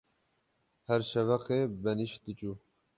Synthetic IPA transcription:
hɛɾʃɛvɛqeːbɛniʃt̪ɨt͡ʃʼuː

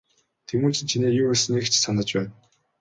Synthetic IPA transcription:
t̪ʰemuːt͡ɕʰĭnt͡ɕʰineːjuːesnikt͡ɕʰsanə̆t͡ɕpæːn

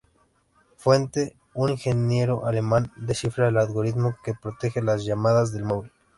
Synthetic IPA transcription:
fwe̞nt̪e̞ | uniŋxe̞njeɾoʔale̞mãnd̪esifɾaelalɣo̞ɾit̪mo̞ke̞pɾo̞t̪e̞xelazʝamaðazðe̞lmoβil

